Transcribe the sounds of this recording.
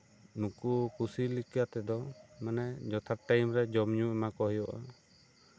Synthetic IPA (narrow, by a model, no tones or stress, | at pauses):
nũkukusilikjat̪ɛd̪ɔmɛnɛd͡ʒɔt̪ʰaʈajmɾɛd͡ʒɔmɲũɛmakɔɦɔjɔʔa̰